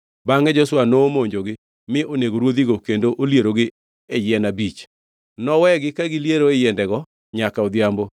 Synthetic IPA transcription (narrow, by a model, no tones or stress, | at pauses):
baŋɛd͡ʒɔswanoːmoɲd͡ʒoɡɪ | mɪʔoneɡoɾwod̪iɡokendoʔoljeɾoɡɪ | ɛjɪɛnabit͡ʃ | nɔwɛɡɪkaɡɪljeɾoejɛndɛɡɔ | ɲakaod̪jambo